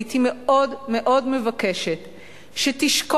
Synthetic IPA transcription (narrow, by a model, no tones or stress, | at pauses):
timeo̞dme̞ʔo̞dmevake̞ʃet | ʃetiʃk